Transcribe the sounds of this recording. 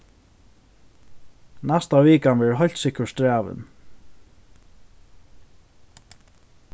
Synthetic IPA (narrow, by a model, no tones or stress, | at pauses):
nɛst̪aviːkanvɛɹɦɔjl̥t̪sɪhkəɹst̪ɾaːʋɪ̰n